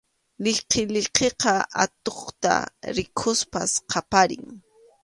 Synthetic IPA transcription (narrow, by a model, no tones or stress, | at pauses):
lɪqʰeʎɪqeqɑʔa̰t̪oχt̪a̰ɾɪkʰʊspa̰sqʰɑpaɾɪ̰ŋ